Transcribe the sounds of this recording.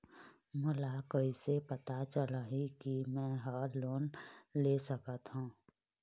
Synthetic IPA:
mʊlakəisepət̪at͡ʃəlaɦikimɛ̃ɦaːɾloːnlesəkət̪ɦũː

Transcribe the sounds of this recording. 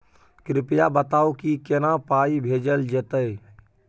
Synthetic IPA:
kɾɪpjabət̪aːwkikenapaːibʱed͡ʒəld͡ʒət̪əj

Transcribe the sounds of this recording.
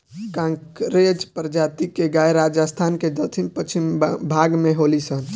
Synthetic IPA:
kãŋkɾed͡ʒpəɾd͡ʒat̪ikeɡajɾad͡ʒast̪ʰanked͡ʒəlt̪ʰimpət͡ʃʰimbʱaɡmeɦolisəɦn

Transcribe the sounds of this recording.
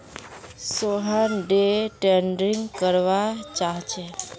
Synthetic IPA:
soɦanɖeʈeɳɖɾiŋɡkəɾʋat͡ʃaɦt͡ʃe

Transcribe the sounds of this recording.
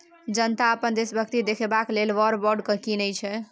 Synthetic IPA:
d͡ʒənt̪aəpənd̪esbʱəkt̪id̪ekʰebaklelʋəɾbɔɾɖkəkinəjt͡ʃʰɛ

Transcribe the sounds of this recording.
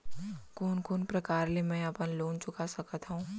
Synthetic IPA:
koːnkoːnpɾɐkaːɾlemɛ̃ɐpənloːnt͡ʃʊkasɐkət̪ɦũː

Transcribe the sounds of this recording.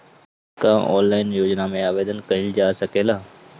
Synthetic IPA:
kaɔ̰̃ːnlaːɪnjoːd͡ʒnamẽaːʋeːd̪ənkɐɦild͡ʒaːsɐkeːlaː

